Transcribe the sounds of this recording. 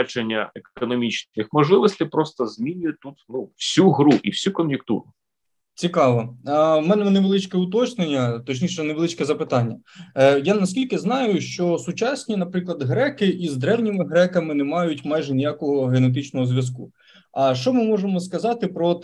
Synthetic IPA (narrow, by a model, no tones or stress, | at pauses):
t͡ʃenʲːɐ̰ekɔnɔmʲit͡ʃɪxmɔʒlˠɪʋɔsʲt̪ʲɪpɾɔst̪ɐzmʲinʲʊjʊt̪ut̪nuwsʲuɦɾuʔiwsʲukɔmjʊk̚t̪ṵɾʊ | t͡sʲikɑʋɔmɛnɛmɛnɛʋelˠɪt͡ʃkɛʊt̪̬ɔt͡ʃnenʲːɐt̪ɔt͡ʃnʲiʃɛneʋelˠɪt͡ʃkɛzɐpɪt̪ɑnʲːɐjanɐsʲkʲilʲkɪznɑjʊʃt͡ʃɔsʊt͡ʃɑsʲnʲinɐpɾɪklˠɐd̪ɦɾɛkɪʔizd̪ɾɛwnʲimɪɦɾɛkɐmɪnɛmɑjʊtʲmɑjʒɛnʲijakɔɦɔɦenet̪ɪt͡ʃnɔɦɔzʲʋʲjɐs̬kṵ | ɐʃt͡ʃɔmɪmɔʒemɔskɐzɑt̪ɪpɾɔt̪